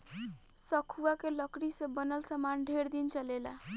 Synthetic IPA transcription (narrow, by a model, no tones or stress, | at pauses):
səkʰuakeləkɽisẽbənəlsəmanɖʱeɾd̪int͡ʃəlela̰